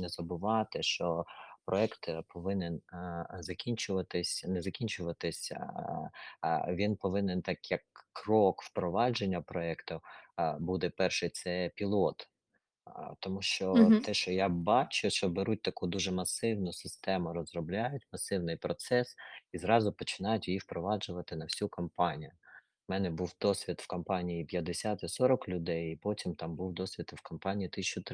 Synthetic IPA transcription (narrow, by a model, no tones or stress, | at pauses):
nɛzɐbʊʋɑt̪ɪʃt͡ʃɔpɾʔɔɛkt̪pɔʋɪnɪnzɐkʲinʲt͡ʃʊʋɐt̪ɪsʲnɛzɐkʲinʲt͡ʃʊʋɐt̪ɪsʲ | ʋʲinpɔʋɪnɪnt̪ɑkjɐkːrɔkwpɾɔʋɑd͡ʒenʲːɐpɾɔɛkt̪ʊbud̪ɛpɛrʃɪjt̪sɛpʲilˠɔt̪ | t̪ɔmuʃt͡ʃɔt̪ɛʃt͡ʃɔjabɑt͡ʃʊʃt͡ʃɔbeɾut̚ʲt̪ɐkud̪uʒɛmɐsɪwnʊsɪst̪ɛmʊɾɔzrɔblʲajʊtʲmɐsɪwnɪjpɾɔt̪sɛsizɾɑzʊpɔt͡ʃɪ̥nɑjʊtʲjjiwpɾɔʋɑd͡ʒʊʋɐt̪ɪnɐwsʲukɐmpɑnʲijʊ | mɛnɛbuwd̪ɔsʲʋʲid̪fkɐmpɑnʲijipʲjɐd̪esʲat̪ɐsɔɾɔklʲʊd̪ɛjipɔtʲimt̪ɑmbuwd̪ɔsʲʋʲit̪wkɐmpɑnʲiit̪ɪsʲt͡ʃʊt̪